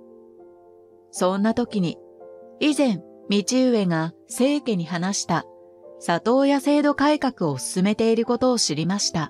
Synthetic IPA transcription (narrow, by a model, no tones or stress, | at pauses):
sõ̞nːat̪o̞kʲiɲ̟i | izẽ̞m | mʲit͡ɕɨːβe̞ŋase̞ːke̞ɲ̟iɦanaɕi̥t̪a | sat̪o̞ːjase̞ːd̪o̞kaikakɯ̟o̞sɨ̥sɨme̞t̪e̞iɾɯ̟ko̞t̪o̞ːɕiɾʲimaɕi̥t̪a